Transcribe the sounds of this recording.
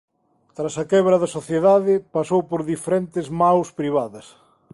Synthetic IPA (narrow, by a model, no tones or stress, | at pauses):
t̪ɾasɐkɛβɾɐðɐsoθjeðaðɪpasowpoɾðifeɾɛnt̪ɪzmawspɾiβ̞aðɐs